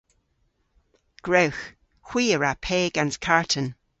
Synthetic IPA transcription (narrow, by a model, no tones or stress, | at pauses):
ɡ̥ɹowx | xw̥iːəɹapʰeːɡanskʰaɹtʰən